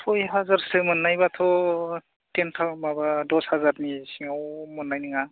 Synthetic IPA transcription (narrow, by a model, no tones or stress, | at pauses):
pʰojɦazaɾsɯmɯnːajbat̪ʰɔ | tentʰamabadɔshazaɾnisiŋawmɔnːajniŋa